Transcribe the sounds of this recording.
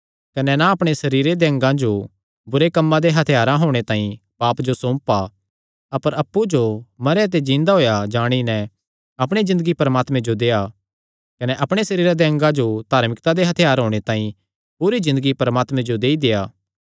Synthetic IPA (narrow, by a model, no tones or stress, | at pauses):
kɐnɛnaɐpɽ̃esɐɾiːɾed̪eɐ̃ŋɡãd͡ʒo | bʊɾekɐmːãd̪eɦɐt̪ʰɪjaːɾãɦoːɽ̃et̪ãːĩ | paːpd͡ʒosõːmpa | ɐpəɾɐpːud͡ʒomɐɾjat̪̬ed͡ʒĩːnd̪aɦoːjad͡ʒaːɽ̃inɛ | ɐpɽ̃ezɪ̃nd̪əɡipɐɾmaːt̪mẽd͡ʒod̪eːa | kɐnɛʔɐpɽ̃esɐɾiːɾad̪eɐ̃ŋɡãd͡ʒod̪ʱaːɾmɪkt̪ad̪eɦɐt̪ʰɪjaːɾɦoːɽ̃et̪ãːĩ | puːɾizɪ̃nd̪əɡipɐɾəmaːt̪mẽd͡ʒod̪eːid̪eːjaː